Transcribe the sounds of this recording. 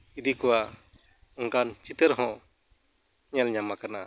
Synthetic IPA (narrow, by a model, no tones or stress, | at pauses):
id̪ikɔwa | ɔŋkant͡ʃit̪əɾɦɔ̃ | ɲɛlɲamakana